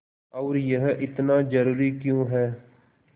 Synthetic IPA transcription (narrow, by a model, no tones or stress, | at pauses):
ɔʊːɾjəɦʔɪt̪naːd͡ʒəɾuːɾiːkjõːɦɛː